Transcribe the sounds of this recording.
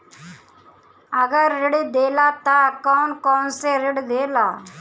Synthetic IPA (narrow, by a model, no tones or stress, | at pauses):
əɡəɾːɪɽd̪eːlaːt̪akɔːnkɔːnseɾɪɽd̪eːlaː